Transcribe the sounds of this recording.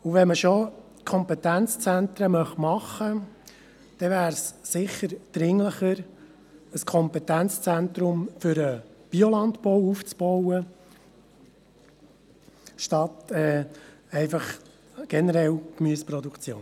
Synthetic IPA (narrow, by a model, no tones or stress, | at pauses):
uʋɛnməʃo | kʰɔmpɛt̪ænt͡st͡sænt̪ɾəmœχtmɑχːə | d̪̥ɛvæːɾsːɪχːəɾd̥ɾɪŋləχəɾ | əskʰɔmpɛt̪ænt͡st͡sænt̪ɾʊmfʏɾəb̥iolɑnd̪bɔwuft͡sb̥ɔwə | ʃtɑt̪ɛːɛɪfɑχ | ɡ̥ɛnəɾɛlkmyəspɾɔd̪ukt͡sjo̰ːn